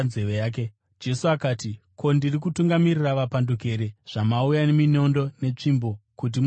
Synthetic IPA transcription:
zeʋejaːk̬e | d͡ʒe̞suakaːti | kʰo̞ndirik̬utuŋɡamiriraʋapanduke̞ːɾe̞ʐ̥amaujanemino̞ndo̞ne̞t͡ʂimbo̞kut̬im

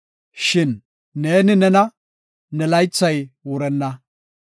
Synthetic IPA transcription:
ʃɪnː | e̞ːnɪnɛnɐ | nɛlɐjt͡sːɐjwʊɾɛnːɐ

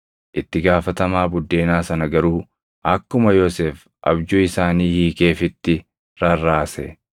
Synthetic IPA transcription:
ʔɪt̪ːɪɡaːfɐt̪ɐmaːbʊd̪ːe̞ːnaːsɐnɐɡɐɾuː | ʔɐkːʊmɐjoseːf | ʔɐ̰bd͡ʒuːɪsaːniːhiːke̞ːfɪt̪ːɪ | ɾɐrːaːsɛ

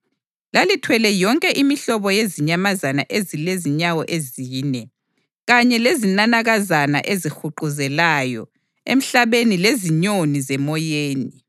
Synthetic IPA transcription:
lalitʰwɛlɛjɔŋkʼɛʔimiɬɔβɔjeziɲamazana̰ʔezileziɲawɔʔeziːnɛ | ɣaɲɛlezinanaɣazana̰ʔezixuǃuzɛlajɔ̰ | ḛm̩ɬaβenileziɲonizɛmɔjeːni

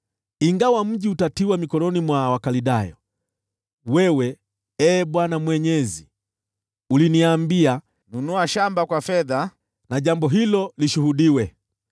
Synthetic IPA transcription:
iŋɡawam̩ʄiutatiwamikɔlɔnimwawakaliɗajɔ | wɛwɛ | ɛːɓwanamwɛɲɛzi | uliniambia | nunuaʃambakwafɛða | naʄambɔɦilɔliʃuhuɗiwɛ

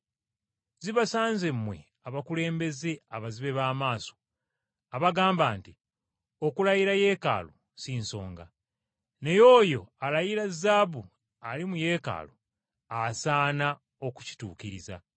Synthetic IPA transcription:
ziβasaːnzemːwe̞̰ | aβakule̞ːmbe̞ze̞aβaziβe̞βaːmaːso̞̥ | aβaɡaːmbaːnti | o̞kulajiɾaje̞ːka̰ːlo | sinso̞̰ːŋɡa | ne̞jo̞ːjo̞alajiɾazabu | alimuje̞ːka̰ːlo | asaːna | o̞ku̥ci̥tṵːkiɾiza̰

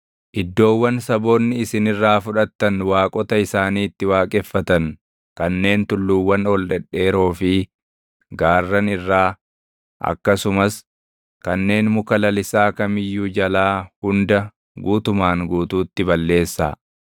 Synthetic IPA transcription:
ʔɪd̪ːo̞ːwːɐnsɐbo̞ːnːɪɪsɪnɪrːaːfʊᶑɐt̪ːɐnwaːkʼɔt̪ɐɪsaːniːt̪ːɪwaːkʼɛfːɐt̪ɐn | kɐnːe̞ːnt̪ʊlːuːwːɐnɔlᶑɛᶑːe̞ːɾoːfɪ | ɡaːrːɐnɪrːaː | ʔɐ̰kːɐsʊmɐs | kɐnːe̞ːnmʊkɐlɐlɪsaːkɐmɪjːuːd͡ʒɐlaːhʊnd̪ɐ | ɡuːt̪ʊmaːŋɡuːt̪uːt̪ːɪbɐlːe̞ːsːa̰ː

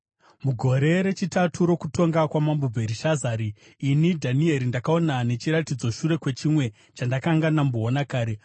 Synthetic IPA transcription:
muɡʱo̞ɾe̞ɾe̞t͡ʃitatʰuɾo̞kuto̞ŋɡakwamambubʱe̞ɾiʃazaːɾiː | nidʱanie̞ɾindakaonane̞t͡ʃiɾatid͡zo̞ʃuɾe̞kwe̞t͡ʃimwe̞ | t͡ʃandakaŋɡanamboːnakaːɾe̞

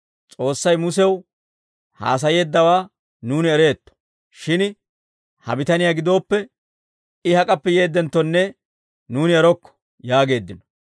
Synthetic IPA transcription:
t͡sʼo̞ːsːɐjmʊsɛw | ha̰ːs̬ɐje̞ːd̪ːɐwaː | nuːnɪɛɾe̞ːt̪ːɔ̥ | ʃɪn | hɐ̰bɪt̪ɐnɪjaːɡɪd̪o̞ːpːɛ | ɪhɐkʼɐpːɛje̞ːd̪ːɛnt̪ːɔnːɛ | nuːnɪɛɾɔkːɔ̥ | jaːɡe̞ːd̪ːɪnɔ

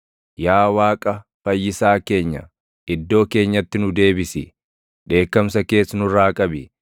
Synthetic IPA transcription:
jaːwaːkʼɐfɐjːɪsaːke̞ːɲːɐ̰ | ɪd̪ːo̞ːke̞ːɲːɐt̪ːɪnʊd̪e̞ːbɪsɪ | ᶑe̞ːkːɐmsɐke̞ːsːnʊɾaːkʼɐbɪ

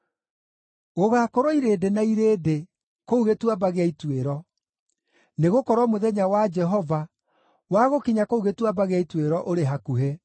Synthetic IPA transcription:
ɣoɣakoɾɔiɾedenaiɾeːde | kouɣetwabaɣeaitweɾɔ | neɣokɔɾwɔmoðɛɲawad͡ʒɛɦɔva | waɣokiɲakouɣetwabaɣeaitweɾɔʔoɾeɦakuɦe

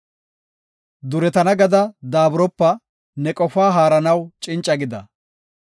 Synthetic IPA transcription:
d̪ʊɾɛt̪ɐnɐɡɐd̪ɐd̪aːbɾɔpːɐ | nɛkʼɔfaːɦaːɾɐnɐwt͡ʃʼɪnt͡ʃʼːɐɡɪd̪ɐ

